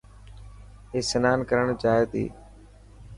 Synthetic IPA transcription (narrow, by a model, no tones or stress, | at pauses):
eːsənaːnkəɾəɳd͡ʒaːjət̪ḭː